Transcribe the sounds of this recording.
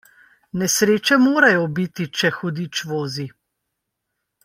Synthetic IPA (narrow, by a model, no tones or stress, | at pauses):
nɛsɾeːt͡ʃɛmoːɾajɔbit̪it͡ʃɛxɔd̪it͡ʃʋoːzi